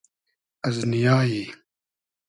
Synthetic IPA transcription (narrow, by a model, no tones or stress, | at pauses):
ɐznijaːji